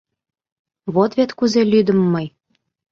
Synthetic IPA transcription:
βot̪βʲet̪kuzelʲyd̪ə̆mːɤj

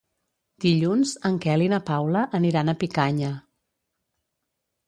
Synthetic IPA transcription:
d̪̥iʎunzəŋkɛlinəpawləʔːniɾanəpikaɲə

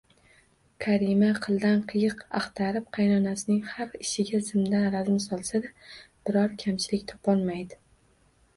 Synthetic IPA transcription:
kʰaɾimaqʰɨlˠd̪anqʰɨjɨqaχt̪ʰaɾɪp̚qʰɑjnɒnasɪnɪŋhafɪʃɪɡʲazɪmd̪anɾazɪmsɒlˠsad̪ab̥ɪɾɒɾkʲʰamt͡ʃʰɪlɪkʲt̪ʰɒ̥pʰɒlˠmajd̪ɪ

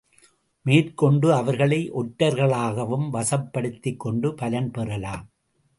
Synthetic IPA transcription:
meːrkɔɳɖɯɐʋɐɾɣɐɭɐɪʔɔʈːɐɾɣɐɭaːɣɐʋɯmʋɐsɐpːɐɽɯt̪ːɪkːɔɳɖɯpɐlɐnpɛrɐlaːm

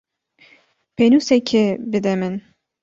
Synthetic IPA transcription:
penusɛkʰebɨd̪ɛmɨn

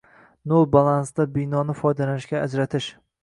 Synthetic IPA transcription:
nolˠbalˠansd̪abɪjnɒnɪfɒjd̪alanɪʃɡʲaːd͡ʒɾat̪ʰɪʃ

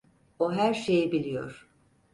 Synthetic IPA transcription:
oɦæɾʃejibilʲijo̞̰ɾ̥

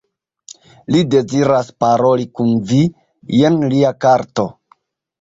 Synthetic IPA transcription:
lide̞ziɾaspaɾo̞likunvi | je̞nliakaɾto̞

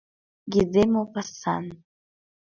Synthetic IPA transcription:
ɡidemopasa̰n

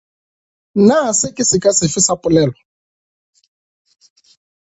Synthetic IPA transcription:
nasɪkʼɪsɪkʼasɪfɪsapʼʊlɛːlɔ

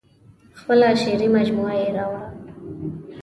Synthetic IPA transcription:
xpəlaʃeɾimad͡ʒmuajeɾɑwa

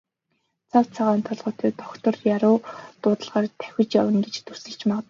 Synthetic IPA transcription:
t͡sʰaw̥t͡sʰaʁaːnt̪ʰɔɮʁʊːt̪ʰeːt̪ʰɔkt̪ə̆rjaɾʊːt̪ʊːt̪ə̆ɮʁaːrt̪ʰæ̥xʲɪ̆t͡ɕjawə̆ŋɡet͡ɕt̪ʰɵrsɘ̆ɬt͡ɕmaʁə̆t̪

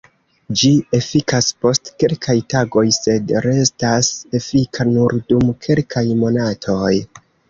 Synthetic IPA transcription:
d͡ʒie̞fikaspo̞stke̞lkʰajtaɡo̞jse̞dɾe̞stase̞fikʰanuɾdumkʰe̞lkʰajmo̞natʰo̞j

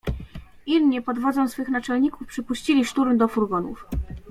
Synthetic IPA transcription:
ilɲipɔd̪vɔd̪zɔ̃w̃sfɘxnat͡ʂɛlɲikufpʂɘpuɕt͡ɕilʲiʂt̪uɾmd̪ɔfuɾɡɔnṵf

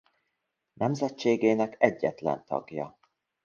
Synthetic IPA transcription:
nʔɛmzɛt͡ʃːeːɡeːnɛkɛɟːɛt̪lɛ̰nt̪ʰɒ̰ɡjɒ̰

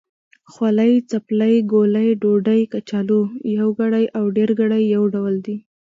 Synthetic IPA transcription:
xwalajt͡saplajɡolajɖoɖajkat͡ʃɑlojawɡaɽajʔawɖeɾɡaɽajːawɖawld̪i

